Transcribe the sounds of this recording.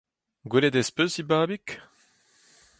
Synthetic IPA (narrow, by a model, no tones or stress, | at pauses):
ɡweled̪ɛspøsibaːbik